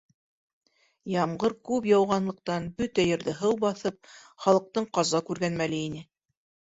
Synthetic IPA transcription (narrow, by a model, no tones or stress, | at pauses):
jɑmɢɤɾkʉpjɑwʁɑnlˠɤ̆q̚t̪ɑnbɵt̪æjɤ̆ɾðɘɦɤwbɑθɤp̚χɑlˠɤ̆q̚t̪ɤɴqɑzɑkʉɾɡænmælɘinɘ